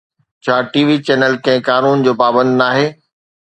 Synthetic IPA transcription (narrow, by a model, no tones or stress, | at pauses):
t͡ɕʰaːʈiːʋit͡ɕɛːnəlkɐ̃ɦɪ̃kaːnuːnd͡ʑoːpaːbə̃nd̪naːɦeː